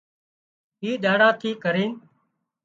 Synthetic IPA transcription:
ɦiːɗaːɽãːt̪ʰiːkəɾĩːn

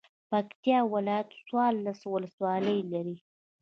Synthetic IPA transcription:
pakt̪jɑwɪlɑjat̪swɑɾlːaswʊləswɑləjlaɾi

